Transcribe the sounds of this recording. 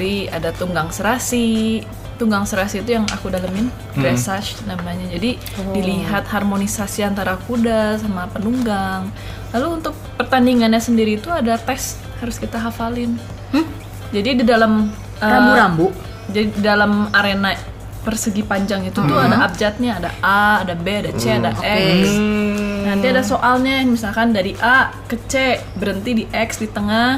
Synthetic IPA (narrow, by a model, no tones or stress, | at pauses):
ɾiadat̪uŋɡaŋsəɾasi | t̪uŋɡaŋsəɾasiːt̪ujaŋa̰kudalamɪn | ɡɾɛsat͡ʃnamaɲad͡ʒadi | diliɦat̪harmonisasiant̪aɾakudasamapənuŋɡaŋ | laluːnt̪ʊk̚pərt̪andiŋanɲasəndiɾit̪uadat̪ɛs | haɾʊskit̪aɦafalɪn | d͡ʒadididalam | əambunambuʔ | d͡ʒadidalamaɾena | pərsəɡipaɲd͡ʒaŋit̪ut̪uadaːp̚d͡ʒat̪̚ɲiadaaːdabeadat͡ʃeadaʔɛks | nant̪iadasoʔalɲamisalkandaɾiʔakət͡ʃebəɾənt̪idiʔɛksdit̪əŋah